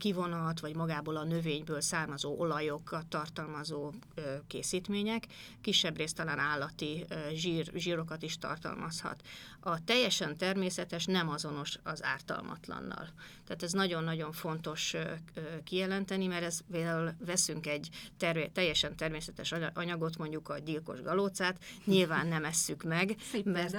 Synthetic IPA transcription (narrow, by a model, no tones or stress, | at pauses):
kivo̞nɒt̪ʋɒɟmɒɡaːboːlɒnø̞veːɲbøːlsaːrmɒzoːʔo̞lɒjo̞kːɒt̪ːɒrt̪ɒlmɒzoːøkḛːsiːt̪meːɲɛkː | iʃːɛbreːst̪ɒlaːnaːlːɒt̪iʒiːrʒiːɾo̞kɒt̪iʃt̪ɒ̰rt̪ɒ̰lmɒshɒ̰t̪ | ɒt̪ɛjːɛʃɛnt̪ɛrmeːsɛt̪ɛʃnɛmɒzo̞no̞ʃɒza̰ːrt̪ɒ̰lmɒ̰t̪lɒ̰nːɒ̰lt̪aːt̪ɛznɒɟo̞nːɒɟo̞ɱfo̞nt̪o̞ʃøkijɛlɛnt̪ɛnimɛɾɛspeːld̪aːulvɛsyŋkɛɟt̪ɛrt̪ɛjːɛʃɛnt̪ɛrmeːsɛt̪ɛʃʔɒɲɒɡo̞t̪mo̞ɲɟukɒɟilko̞̰ʒɡɒloːt̪saːt̪ɲilvaːnːɛmɛsːykmɛɡmɛr